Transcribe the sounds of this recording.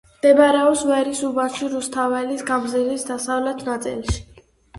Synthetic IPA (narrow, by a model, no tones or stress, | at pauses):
md̪̥ɛbɾɛɔpsvɛɾisubaʃiɾust̪ʰavɛlisɡamzilisd̪asavlɛt̪ʰnat̪sʼḭlˠʃi̥